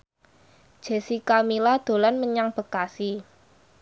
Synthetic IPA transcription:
d̥ʒ̥e̤sikamilad̪̥o̤lanməɲaŋb̥ə̤kasi

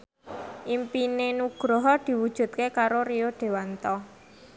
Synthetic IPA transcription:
ʔimpinenuɡ̥ɾɔɦɔd̪̥i̤wud̥ʒ̥ṳt̪̚kekaɾoɾijoɖ̪̥e̤want̪ɔ

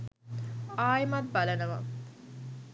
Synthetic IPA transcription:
aːjmɐt̪̚bɐlɐnɐʋɐ̰

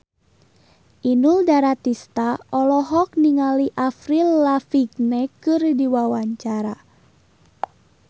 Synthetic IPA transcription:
ʔinuldaɾat̪ist̪aɔlɔɦɔk̚niŋaliʔafɾilːafiɡnɛkɨrdiwawaɲt͡ʃaɾa

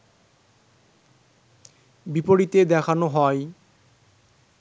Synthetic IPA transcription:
bipoɽit̪ed̪ɛkʰanoɦɔj

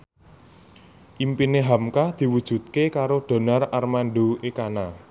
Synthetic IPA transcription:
ʔimpineɦamkad̪̥i̤wud̥ʒ̥ṳt̪̚kekaɾoɖ̪̥o̤nararmanɖoekana

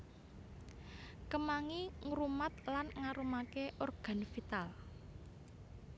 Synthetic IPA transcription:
kəmaŋiŋɾumat̪lanŋaɾumakeʔorɡ̥a̤nfit̪al

